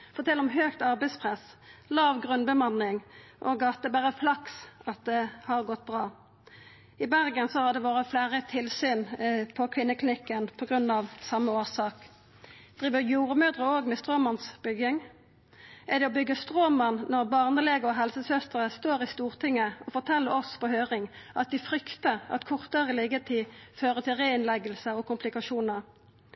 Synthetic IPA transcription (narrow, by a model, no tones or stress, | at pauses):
fɔːt̪ʰɛlːɔmɦøːkt̪ɑʁbɛɪspʰʁɛslɑːʋɡʁʉnbəmɑnːɪŋʔoɡɑːt̪əbæːʁəflɑksɑt̪̚d̪ɛhɑʁɡɔt̪̚ːbʁɑː | ɪbæʁɡənsɔhɑʁd̪ɛʋoːʁəflæːʁət̪ʰɪlsyːnpʰɔkʰʋɪnːəklɪnɪkːənpʰɔɡʁʉnːɑʋsɑmːəoːsɑːk | d̪̥ʁiːʋəʁjuːʁəmøːd̪ʁəoːɡmɛst̪ʁoːmɑnsbʏɡɪŋ | ʔæd̪ɛɔbʏɡːəst̪ʁoːmənnɔʁbɑʁnəleːɡəɔɦɛlsəsœst̪əʁəst̪oːʁɪst̪uːʁt̪ʰɪŋːəɔfɔʁt̪ʰɛlːəɾɔspɔhøːʁɪŋʔɑt̪̚d̪ɪfɾʏkt̪əɑ̰t̪kʰʊʁt̪əʁəlɪɡət̪ʰiːføːʁət̪ʰɪlʁeːɪnlɛɡəlsəɔkʰʊmpʰlɪkɑʃuːnəʁ